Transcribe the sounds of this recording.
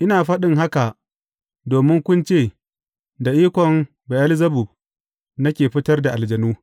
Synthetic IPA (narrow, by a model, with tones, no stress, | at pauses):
ʔɪ˦naː˨ɸɐ˦ɗɪ˦ŋɦa˦ka˨ | doː˨mɪ˦ŋkʷʊ˦nt͡ʃeː˦˨ | da˨ʔiː˦kʷɔ˨m | ba˨ʔɐ˦lzɐ˦bu˨ | nɐ˦kʲeː˨ɸɪ˦tɐ˦rda˨ʔa˨ld͡ʒɐ˨nuː˦